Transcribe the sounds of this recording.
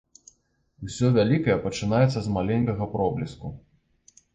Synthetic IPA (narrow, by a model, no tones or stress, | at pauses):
usʲɔvʲalʲikɐjɛpɐt͡ʂɨn̪ajɛt̪sːɐzmalʲɛŋʲkɐɣɐpɾɔblʲisku